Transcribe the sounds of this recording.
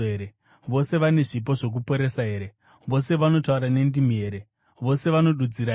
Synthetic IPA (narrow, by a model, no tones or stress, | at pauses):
ɾe | ʋo̞se̞ʋane̞ʐip̬o̞ʐo̞k̬upo̞ɾe̞saɦe̞ːɾe̞ | ʋo̞se̞ʋano̞tauɾane̞ndimieɾe̞ | ʋo̞se̞ʋano̞ɗud͡ziɾa